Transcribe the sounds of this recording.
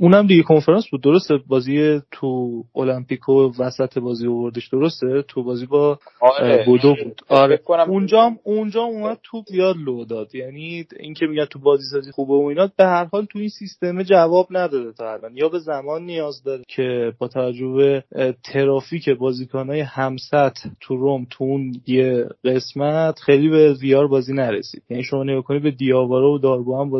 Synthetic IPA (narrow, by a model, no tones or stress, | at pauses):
unæmd̪iɟekʰo̞nfe̞ɾɑnsbud̪̚ːo̞ɾo̞st̪ebɒːziet̪ʰuolæmpiːkʰovæsæt̪ʰe̞bɒːzio̞vo̞ɾd̪eʃd̪̥o̞ɾo̞st̪et̪ʰubɒːzibɒ | bod̪obud̪̥ɒɾeund͡ʒɒmund͡ʒɒːumæd̪̚t̪ʰubijɒd̪lod̪ɒːd̪jæniiŋcʰe̞miɟænd̪t̪ʰubɒːziːs̬ɒːzixuːbeoiːnɒd̪̚be̞hæɾhɒːlt̪ʰuinsist̪e̞med͡ʒævɒːbnæd̪ɒːd̪et̪ʰɒælʔɒnjɒːbe̞zæmɒːnːijɒːzd̪ɒɾecʰe̞bɒːt̪ʰævæd͡ʒːohbe̞t̪ʰe̞ɾɒːfiːcʰe̞bɒːziːkʰɔnɒːjehæmsæt̪ːʰuɾomt̪ʰuunjeɢe̞smæt̪ʰχejliːbe̞zijɒːɾbɒːziːnæɾḛsḭːd̪̥jæniːʃo̞mɒːne̞ɡɒːkʰo̞nid̪be̞d̪ijɒːvɒːɾɒvod̪ɒːɾɡuhæmb